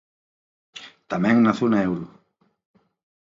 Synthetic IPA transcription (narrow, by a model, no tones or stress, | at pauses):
t̪ameŋnaθunaɛwɾu